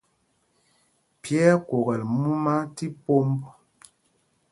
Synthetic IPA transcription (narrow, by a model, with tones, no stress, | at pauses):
pjɛ˦kwo˨ɣɛ˨lmu˦ma˦ti˦po˦mb